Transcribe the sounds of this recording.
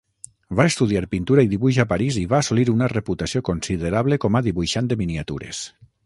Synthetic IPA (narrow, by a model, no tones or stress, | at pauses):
vaest̪uð̞iaɾpint̪uɾaiðiβuʒapaɾiziβaːsuliɾunareput̪asiokonsiðeɾaβlekomaðiβujʃand̪eminiat̪ṵɾḛs